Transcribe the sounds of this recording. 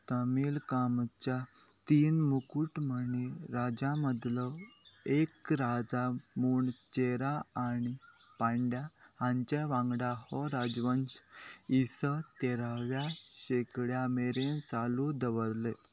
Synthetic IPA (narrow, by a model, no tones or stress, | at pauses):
t̪əmilkamt͡ɕjat̪iːnmukuːʈməneɾad͡ʑaməd̪ləekɾad͡zamuːɳt͡ɕeɾaaɽi | pãɳɖjãːɲt͡ɕeʋãŋɡɽahɔɾad͡zʋənsisət̪eɾaʋjaɕekɽjameɾẽt͡salud̪əʋəɾle